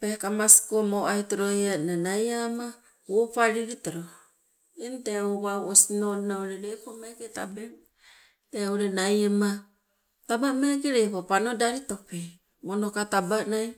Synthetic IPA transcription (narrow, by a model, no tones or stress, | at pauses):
pekamasi̥komoajtoɾojananajama | upaɾiɾitoɾo | inteoβawosinoɾinaoɾeɾepomeɡeta̰be | teoɾenajema | tabameɡeɾepopanodaɾitope | monokatabanaj